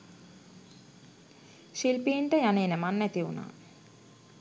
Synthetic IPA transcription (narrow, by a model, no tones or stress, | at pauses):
ʃilpiːɳʈəjaneːnəmanːæt̪iʋuna̰ː